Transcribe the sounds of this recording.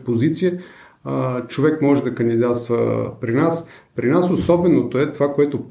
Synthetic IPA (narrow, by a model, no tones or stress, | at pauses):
pozit̪sijə | t͡ʃovɛkmɔʒɛd̪ɐkənd̪id̪at̪st̪və̰pɾinas | pɾinasosɔbɛnot̪oɛt̪ovakoɛt̪op